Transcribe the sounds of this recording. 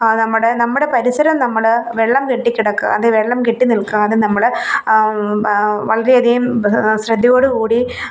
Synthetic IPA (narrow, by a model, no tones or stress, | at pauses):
nɐmːuɽenɐmːuɽepɐɾisɐɾɐmnɐmːɐɭʋeɭːɐmkeʈːikʲːiɽɐkːɨ̰ɐ̰ðeʋeɭːɐmkeʈːinilkːuɐðɨnɐmːɐɭ | ʋɐɭɐɾeɐd̪ijumsɾɐd̪ːɐjo̞ːɽɨkuːɽi